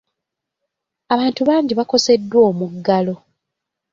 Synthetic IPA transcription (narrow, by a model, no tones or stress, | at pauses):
aβaːntuβaːɲɟiβako̞se̞dːwo̞ːmuɡːalo̞